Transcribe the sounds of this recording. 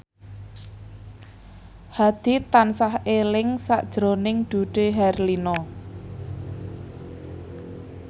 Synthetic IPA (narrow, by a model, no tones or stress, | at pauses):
had̪̥i̤t̪ansahelɪŋsa̰ʔd̥ʒ̥ɾo̤nɪŋd̪̥uɖ̥eɦɛrlinɔ